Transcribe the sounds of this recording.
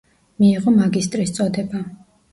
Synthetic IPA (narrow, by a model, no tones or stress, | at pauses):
miːʁɔmaɡist̪ʼɾist̪sʼɔd̪ɛba